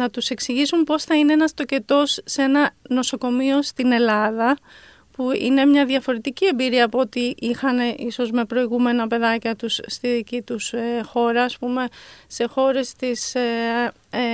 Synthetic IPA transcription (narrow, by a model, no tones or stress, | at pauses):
nɐt̪use̞ksiʝisumpo̞sθɐineenɐst̪o̞ce̞t̪o̞sːe̞nɐno̞so̞ko̞mio̞st̪ine̞lɐðɐ | puḭne̞mɲɐðjɐfo̞ɾe̞t̪icie̞mbiɾiɐːpoot̪iʔixɐneʔiso̞zme̞pɾo̞iɣume̞nɐpe̞ðɐcɐt̪usːt̪iðicit̪usxo̞ɾɐːspume̞se̞xo̞ɾe̞st̪is